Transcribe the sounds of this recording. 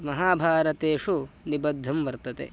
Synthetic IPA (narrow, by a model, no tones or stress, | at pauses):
mɐɦaːbʱaːɾɐt̪eːʂunibɐd̪ʱːɐmʋɐɾt̪ɐt̪ḛ